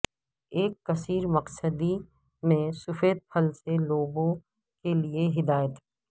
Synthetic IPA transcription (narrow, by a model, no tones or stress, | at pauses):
eːkːɐsiːɾmɐqsəd̪i | mẽsʊfeːd̪̚pʰɐlseloːbõ | kelieɦɪd̪aːjət̪ɦɛ